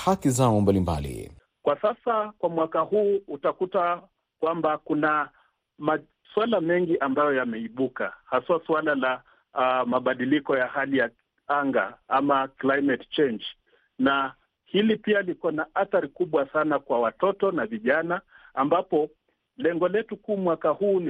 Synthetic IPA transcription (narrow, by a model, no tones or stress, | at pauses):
hakizaɔmbalimba̰lḭ | kwasasakwamwakaɦuːutakuta | kwambakuna | ma | swalamɛŋɡiʔambajɔjamɛiɓukahaswaswalala | maɓaɗilikɔjahalija | aŋɡa̰amaklajmɛtt͡ʃɛnd͡ʒ | na | hilipialikanaʔaθaɾikuɓwasanakwawatɔtɔnaviʄanaːmbapɔ | lɛŋɡɔlɛtukuːmwakahuːn